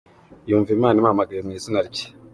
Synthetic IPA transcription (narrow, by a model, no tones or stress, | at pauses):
juːɱvimaːnimamaɡajemŋiːsinaɾici̥